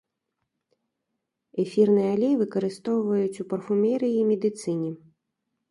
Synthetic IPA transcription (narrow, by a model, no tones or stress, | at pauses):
ɛfʲirnɨjɛalʲejvɨkɐɾɨst̪ɔwvɐjut͡sʲupɐrfumʲɛɾɨimʲɛd̪ɨt̪sɨnʲɛ